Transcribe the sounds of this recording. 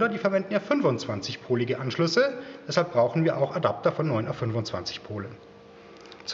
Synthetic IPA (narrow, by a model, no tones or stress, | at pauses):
dɐdiːfɛɐvɛndn̩jaːfʏnvʊnt͡sv̥ant͡sɪçpʰoːlɪɡəʔanʃlʏsəd̥ɛshalp̚b̥ʁaʊxn̩viːɐʔaʊxadap̚tɐfɔnːɔʏnʔafʏnvʊnt͡sv̥a̰nt͡sɪ̥çpʰoːlən | t͡s